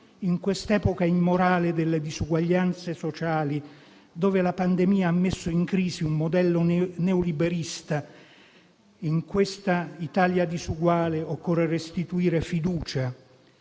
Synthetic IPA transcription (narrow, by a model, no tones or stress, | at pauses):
iŋkwest̪ɛːpokaimːoɾaːled̪elːed̪izuɡwaʎːant̪sesot͡ʃaːli | d̪oːvelapand̪emiːaamːesːʊiŋkɾiːsiummod̪ɛlːonɛolibeɾist̪a | iŋkwest̪ait̪aːljad̪izuɡwaːleokːɔrerest̪it̪uiːɾefid̪uːt͡ʃa